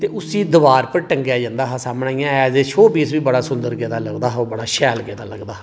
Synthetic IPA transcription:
t̪eːʊsiːd̪əʋaːɾpəɾʈəŋɡjaːd͡ʒãːnd̪aːɦãːsaːmɳaːijãːɛːzeːʃʰoːbiːsʋiːbəɽaːsʊnd̪əɾɡeːd̪aːləɡd̪aːɦoːbəɽaːʃɛːlɡeːd̪aːləɡd̪aː

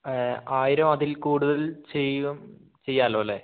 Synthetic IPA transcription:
aːjiɾɐmɐðilkuːɽuðɐlt͡ɕejum | t͡ɕe̞jːaːlːoːɐlːe

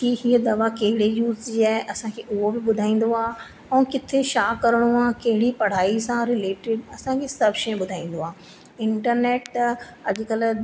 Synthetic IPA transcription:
kiːɦiːəd̪ɐʋakɐɦɪɽejuːzd͡ʑiaːɦɪʔɐsãkʰeːʔʊɦobɪɓʊd̪ʱaːĩːn̆d̪oaː | ɛ̃ːkɪt̪ʰeʃaːkɐɾəɽ̃uaːkɐɦɪɽipɐɽ̤aːisãɾɪleːʈɪɖɐsãkʰesɐbʃɐ̃ɓʊd̪ʱaːĩːn̆d̪oaː | ɪ̃ɳʈəɾneːʈt̪ɐʄʊkəl

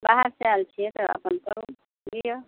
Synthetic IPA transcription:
baɦəɾsealt͡ʃʰiet̪ɔʔɐ̰pənkəɾũ | ɡijə

